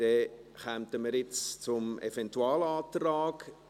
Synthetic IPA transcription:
d̥ɛχɛmtəməɾɪt͡st͡sʊmḛfɛntuɑːlaːtraːɡ̥

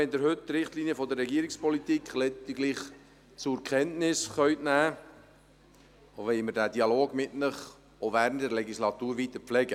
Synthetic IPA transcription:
ɛnd̪ɪɾɦɵttɾɪχtliːniəfɔd̪əɾːɛɡiəɾɪkspɔlit̪iːkχlɛtɪɡliχ | t͡sʊɾkʰɛntnɪsχœʏtnæː | oʋɛməɾdæːd̥iɑloːɡmɪtnəχ | ovæːɾəntdəɾlɛɡislɑt̪uːɾʋit̪əɾflɛɡə

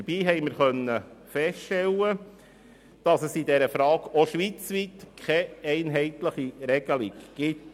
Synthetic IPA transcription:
əɾbiːɦɛɪməɾχœnːəfɛstʃtɛlːə | d̥ɑsəsidɛɾəfɾɑːɡoʃʋit͡sʋit̪kʰɛɛɪnɦɛɪtləχiɾɛɡ̥əliɡɡ̥ɪt

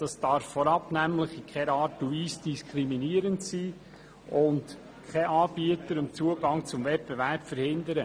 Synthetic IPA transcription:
d̥ɑsd̥ɑɾfːɔɾɑpnæmləχikʰɛɾɑːtːuiːsd̥iskʰɾiminiəɾəntsiː | ʊnt | kʰɛʔɑːb̥iətəɾʊmt͡suəɡɑŋt͡sʊmvɛt̚b̥ɛvæɾpfəɾhɪndəɾə

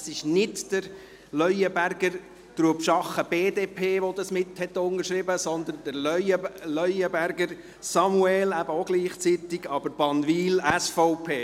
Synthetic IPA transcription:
sɪʃnɪtd̥əɾ | lœʏjəbæɾɡəɾ | d̪̥ɾuəpʃɑχəb̥eːd̪eːpʰeːʋod̪ɑsmɪt̪hɛt̪ʊnəɾʃɾɪbəsɔnd̪ənd̥̪əɾlœjəlœʏəbæɾɡəɾ | sɑmuɛlæb̥əoɡ̥liːχt͡sit̪ɪɡ̥ɑb̥əɾb̥ɑnʋiːlæsfɔʊpʰeː

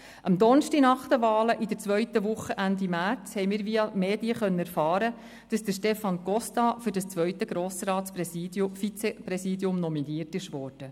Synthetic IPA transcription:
ʔɑmd̪ɔnʃtinɑχt̪əʋɑːləʔid̪ə̥t͡sʋœʏt̪əʋʊχːəʔænd̪imært͡shɛjmɪːɾʋiːɑmeːd̥iəχœnːənæɾfɑːɾə | d̥ɑsd̪̥əʃtɛfɑnɡɔst̪ɑfʏɾdɑst͡sʋœʏt̪əɡ̥ɾoːsrɑːspːfit͡sɛprɛsiːdjʊmnɔminiːtɪʃʋɔːɾd̥ə

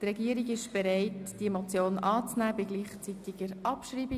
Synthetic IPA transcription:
t̪rɛɡiəɾiɡɪʃb̥ɛɾɛɪtd̥iemot͡sjoːnɑːt͡snæːbɪɡ̥liːχt͡sit̪ɪɡ̥əɾɑpʃriːbi

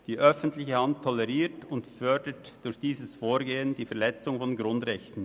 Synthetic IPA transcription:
d̥iːʔœfn̩tlɪçəhanttʰːɔlɛʁiːtʊntfœɐdətd̥ʊɾçd̥iːzəsfoːɾɡeːənd̥iːfɛɐlɛt͡sʊŋfɔnɡʁʊndʁɛçtn̩

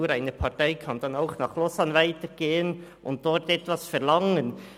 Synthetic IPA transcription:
uːɾaɪnəpʰɑtaɪkʰɑnd̥ɑnaʊxnɑχlɔsɑnvaɪtəɡ̥eːənʔʊnt̚d̥ɔɾtɛtvɑsfɛʁlɑŋən

